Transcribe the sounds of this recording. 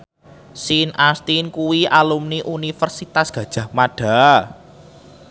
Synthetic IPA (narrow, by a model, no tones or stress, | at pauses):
sinʔast̪inkuwiʔalumniʔunifərsit̪asɡ̥ä̤d̥ʒ̥ä̤hmaɖ̥a̤